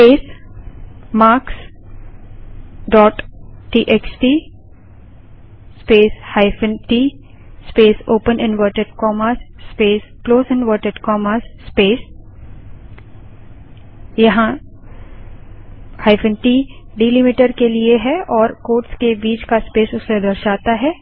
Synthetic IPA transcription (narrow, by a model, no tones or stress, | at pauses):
speːs | maːks | ɖɔːʈʈiːʔeksʈi | speːshaɪfənʈiː | speːsoːpənɪ̃nʋəɾʈeɖkɔːmasːpeːskloːsɛ̃nʋəːɾʈeɖkɔːməːsːpeːs | jɐɦã | haːɪfə̃nʈiːɖiːlɪmɪʈəɾkelieɦɛʔɔːɾkoːʈskebiːd͡ʒkaspeːsʊsːed̪ɐɾʃaːt̪aɦɛː